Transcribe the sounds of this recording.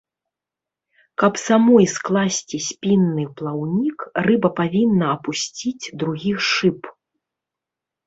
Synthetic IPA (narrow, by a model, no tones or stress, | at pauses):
kɐpsamɔjsklˠasʲt͡sʲisʲpʲinːɨplˠawnʲikrɨbɐpavʲinːɐːpusʲt͡sʲid͡zʲd̪ɾuɣʲixʂɨp